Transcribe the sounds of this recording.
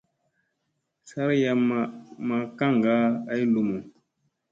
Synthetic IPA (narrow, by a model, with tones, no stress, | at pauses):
sa˦ɾja˨m˨ma˨ka˦ŋɡa˦a˦i˦lu˨mo˨